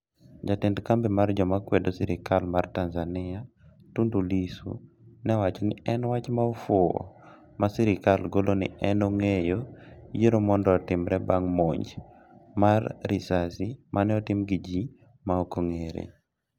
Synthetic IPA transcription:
d͡ʒatendkambimard͡ʒɔmakwedosiɾɪkalmartanzanɪa | tundulisṵ | nɛwat͡ʃnɪɛnwat͡ʃmaofoo̰ | masiɾɪkalɡolonɪ̰ɛnoŋejojeɾomɔndɔːtɪmɾɛbaŋmoɲd͡ʒ | marːisasimʔanɛɔtɪmɡid͡ʒi | maokoŋeɾḛ

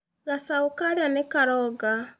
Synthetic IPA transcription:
ɣasaokaɾeanekaɾɔɡa

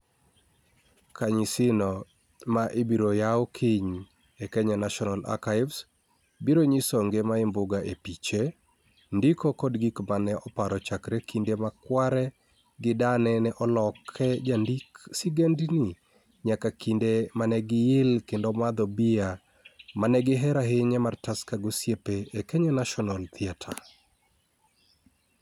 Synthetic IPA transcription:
kʰaɲɪsɪnɔ | maʔebiɾojaokʰɪɲ | ekɛɲanaʃɔnala̰kaɪvs | biɾoɲisoŋɡemaɪmbʊɡaʔepit͡ʃe | ndikokɔdɡikmanɛʔɔpaɾɔt͡ʃakɾɛkindemakwaɾɛ | ɡɪdanɛnɛʔɔlɔkʰːɛd͡ʒandiksiɡendinɪ | ɲakakindemanɛɡɪjɪlkendɔmad̪ɔbia | manɛɡɪɦɛɾaɦɪɲɛmartaskaɡosjepeːkɛɲɔnaʃɔnɔlt̪ɪatʰa̰

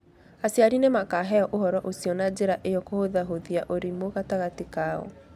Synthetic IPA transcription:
asjaɾinemakaɦɛɔʔohɔɾɔʔosiɔnad͡ʒeɾaʔejɔkohoðaɦoðiaʔoɾimoɣataɣatikaːɔ̰

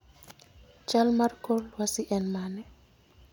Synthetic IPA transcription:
t͡ʃalmaɾkɔlwasiʔɛnmanɛ

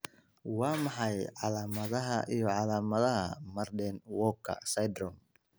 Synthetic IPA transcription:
wɑːmɑħɑjʕɑlaːmɐðɐɦɐʔijɔʕɑlaːmɐðɐɦɐ̰mɐrdɛnwɔːkʰːɐ̰sɐjd̪ɾɔm

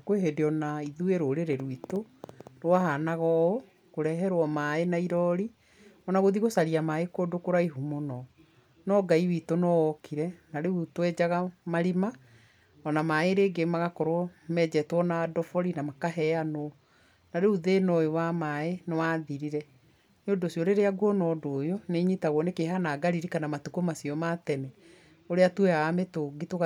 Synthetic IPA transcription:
kweɦedeɔnaiðueɾoɾeɾeɾwito | ɾwaɦanaɣɔo | koɾɛɦɛɾwɔmaenaiɾɔɾi | ɔnaɣoðiɣosaɾiamaekodokoɾaiɦumonɔ | nɔɡaiwitonɔɔkʰiɾɛnaɾeutwɛd͡ʑaɣamaɾima | ɔnamaeɾeːɡemaɣakɔɾoɔmɛd͡ʑɛtwɔnadɔfɔɾinamakaɦɛano | naɾeuðenɔjowamaenewaðiɾiɾɛ | nodosjɔɾeɾeaɡwɔnɔdoːjoneɲitaɣɔnekeɦanaːɡaɾiɾikanamatukomasiɔmatɛnɛ | oɾeatwɛaːmetoɡitoɣa

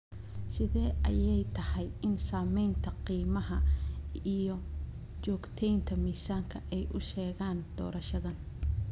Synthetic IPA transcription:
sɪðɛːʔɐjɛjt̪ʰɐhɛjɪnsaːmɛjnt̪ʰɐqiːmɐɦɐ | ijɞ | t͡ʃɔːɡt̪ʰɛjnt̪ʰɐmiːsaːŋkʰɐʔɛjʔʊ̰ʃɛːɣaːnd̪̥ɔ̰ːɾɐʃɐðɐn

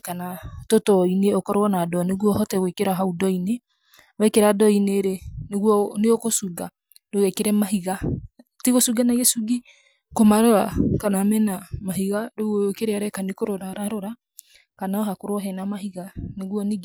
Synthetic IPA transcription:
kanatotɔineɔkɔɾɔnadɔneɣwɔhɔtɛwekeɾaɦaudɔine | wɛkeɾadɔineɾeneɣwɔneokosuɡa | doɛkeɾɛmaɦiɣa | teɣosuɡanaɣɛsuɡi | komaɾoɾakanamɛnamaɦiɣadoɣwɔokeɾɛaɾɛkanekoɾoɾaɾaɾoɾa | kanaɔɦakoɾɔɦɛnamaɦiɣaneɣwɔne

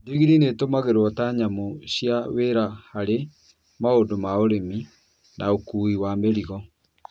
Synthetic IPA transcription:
diɣiɾinetomaɣeɾwɔtaɲamoɕjaweɾahaɾe | maodomaoɾemi | naokuːiwameɾiɣɔ

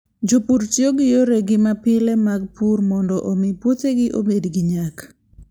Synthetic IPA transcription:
d͡ʒopuɾt͡ʃjoɡɪjoɾeɡɪmapɪlɛmaɡ̚purmɔndɔʔomɪpwoteɡɪʔo̰bedɡɪɲak

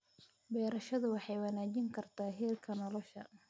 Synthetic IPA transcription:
bɛːɾɐʃɐðʊwɑħɑjwɑnaːt͡ʃɪŋkʰɐrt̪ʰaːɦɛːlkʰɐnɔlɔʃɐ̰

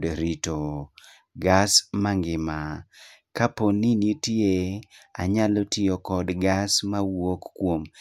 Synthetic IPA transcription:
dɾito | ɡasmaŋɡɪmakaponinitjea̰ɲalɔtɪɔkɔdɡasmawokːwom

